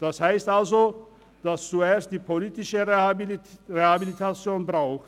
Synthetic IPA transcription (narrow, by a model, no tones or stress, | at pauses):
d̥ashaɪstʔalzo | d̥ast͡sueːɐst̚d̥iːpʰoliːtɪʃəʁe | ʁehabilitʰat͡sjoːnbʁaʊx